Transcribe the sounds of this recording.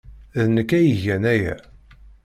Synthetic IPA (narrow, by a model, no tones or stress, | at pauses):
ðnəkːæjəʝænæjæ̰